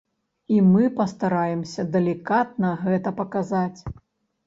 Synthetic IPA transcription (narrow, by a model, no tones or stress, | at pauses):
imɨpɐst̪aɾajɛmsʲɐd̪ɐlʲikat̪̚nɐɣɛt̪ɐpɐkazat͡sʲ